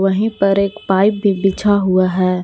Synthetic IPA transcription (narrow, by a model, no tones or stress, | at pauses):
ʋəɦĩpɐɾeːkpaːɪp̚bʱibɪt͡ʃʰaɦʊaɦɛː